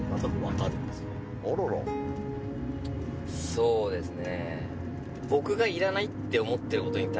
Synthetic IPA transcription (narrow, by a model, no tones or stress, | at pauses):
mat̪amoβat̪aɾinesne | oɾoɾo̰ | so̞ːd̪e̞sɨne̞̰ | bo̞kɯ̟ɡaiɾanait̪ːe̞o̞mo̞t̪ːe̞ɾɯ̟ko̞t̪o̞ɲ̟it̪a